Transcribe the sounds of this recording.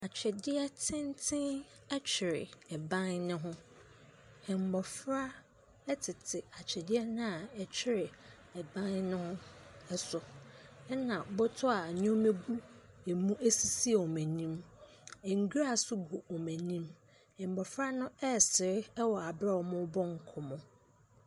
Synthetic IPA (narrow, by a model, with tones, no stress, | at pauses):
a˨t͡ɕʰᶣɛ˨dɪ˦ɛ˦tʰɪ̃˦n˦tʰɪ̃˦n | ɛ˦t͡ɕʰɪ˨ɾɪ˨ɛ˨bã˦nnʊ̃˦ɦʊ̃˦ | hɛ̃˨m˨bɔ˨fɾa˦ | ɛ˦tʰɪ˨tʰɪ˨a˨t͡ɕʰɛ˨dɪ˦ɛ˦nʊ̃˦a˨ɛ˨t͡ɕʰɪ˦ɾɪ˨ | ɛ˨bã˦nnʊ̃˦hʊ̃˦ɛ˦sʊ˨ɛ˦nã˨bɔ˦tʰʊ˦a˨ɲɔ̃˦me˦ɡu˦ | e˨mũ˦ʔæ˦si˨si˦e˨ɔ˨mæ̃˨nĩ˦m | ɛ˨ŋ˨ɡu˦a˦˨sʊ˦ɡʊ˨ɔ˨mæ̃˨nĩ˦m | hɪ̃˨m˨bɔ˨fɾa˦nʊ̃˦ɛ˦˨sɪ˨ɾɪ˦ɛ˦wɔ˨a˨bɾa˦wɔ˨mʊ̃˦bɔ̃˦ŋ˨kʰʊ˨mʊ̃˨